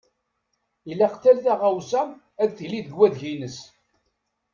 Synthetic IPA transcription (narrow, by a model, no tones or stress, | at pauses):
ilːæqθælθæʁawsæm | æðθəliðəɡwæðʝinəs